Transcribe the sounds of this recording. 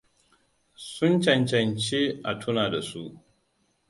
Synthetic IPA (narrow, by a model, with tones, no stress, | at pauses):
sʊ˦nt͡ʃɐ˨nt͡ʃɐ˨nt͡ʃeː˦ʔa˨tʰʊ˦naː˨da˨su˦ʔ